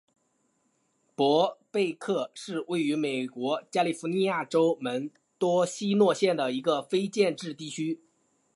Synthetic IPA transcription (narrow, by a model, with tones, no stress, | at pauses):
pwɔ˧˥pe˥˧ɪkʰɤ˥˩ʂɻ̩˥˧we˥˩ɪy˧˥me˨˩ɪkwɔ˧˥t͡ɕja˥li˨˥˩fu˧˥ni˥˧ja˥˩ʈ͡ʂo˥ʊmə˧˥n | t̪wɔ˥ɕi˥nwɔ˥˧ɕjɛ˥˩nd̪ə˩i˧˥ɡə˧fe˥ɪt͡ɕjɛ˥˧nʈ͡ʂɻ̩˥˧t̪i˥˩t͡ɕʰy˥